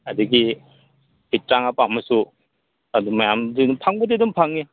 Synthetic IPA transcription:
ɐduɡi | bit̚ɾaŋapamɐsu | ɐdumajamdinupʰaŋbɐdedumpʰaŋne

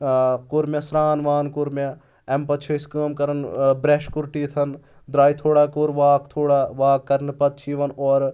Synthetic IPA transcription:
kʊɾmjɐsɾaːnʋaːnkʊɾmjɐ | ɛmpɐt̪t͡ʃʰɐskəːmkɐɾɐnbɾeːʃkʊɾʈit̪ʰɐn | d̪ɾaːit̪ʰoːɽaːkoːɾʋaːkt̪ʰoːɽaːʋaːkːɐɾnpɐt̪̚t͡ʃʰiʋɐnɔːɾ

